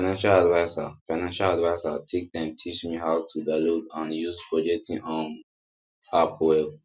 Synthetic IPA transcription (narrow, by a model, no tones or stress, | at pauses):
fanãnʃaladvaɪsa̰faɪnãnʃaladvaɪsa̰tʰek̚d̪ɛ̃mtʰit͡ʃmiɦaʊtʰːudalodãnjuzpʰɹɔd͡ʒɛk̚tĩŋʔɔ̃n | apʰwɛ